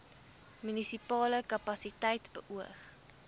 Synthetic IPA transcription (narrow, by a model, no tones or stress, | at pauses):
mynisipɑːləkɐpɐsitɛjtbəʔuəχ